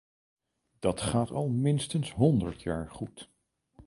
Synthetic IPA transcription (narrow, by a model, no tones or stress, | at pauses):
d̥ɑtχaːtɑlˠmɪnstənsɦɔndəɹtʰjaːɹχut